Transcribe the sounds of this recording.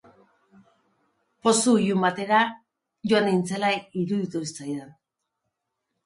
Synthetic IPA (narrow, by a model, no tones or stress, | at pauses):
po̞sujumbat̪e̞ɾa | ʝoanejnt͡selaiɾuðit̪ust͡sajðan